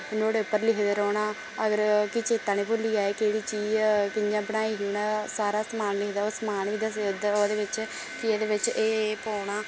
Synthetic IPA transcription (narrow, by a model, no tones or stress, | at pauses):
noːɽeːʊpːəɾlɪkʰd̪eːɾoːɳaː | əɡəɾkɪt͡ʃeːt̪ãːnẽːpoliːaːeːkeːɽiːt͡ʃiːd͡ʒkɪɲd͡ʒãːbənaːiːɦuːnaːsaːɾaːsmaːnlɪkʰd̪aːoːsmaːnʋiːd̪əsd̪od̪eːʋɪt͡ʃ | kɪeːd̪eːʋɪt͡ʃeːpoːɳaː